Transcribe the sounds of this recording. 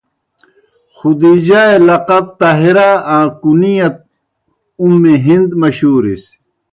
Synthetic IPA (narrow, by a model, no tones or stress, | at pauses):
xud̪id͡ʑaːelɐqɐb̚t̪aɦiɾaãːkunijɐt̪̚ | umːiɦind̪mɐɕuːɾḭs